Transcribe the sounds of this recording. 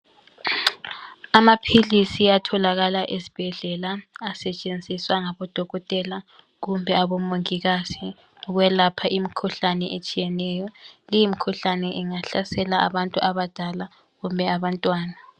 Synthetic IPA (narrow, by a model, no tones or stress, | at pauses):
amapʰilisiatʰɔlaɣalaʔezi̥b̥ʱɛɮɛlaːsɛt͡ʃʼend͡zʱiswaŋaβɔd̥ʱɔɣɔtʼɛla | ɣumbʱɛaβɔmoŋiɣasi | ɣwɛlapʰaʔimikʰuɬanɛʔet͡ʃʼijɛnɛjɔlijimikʰuɬanɛʔiŋaɬasɛlaʔa̰βantʼuʔaβad̥ʱala | ɣumbʱɛaβantʼwaːna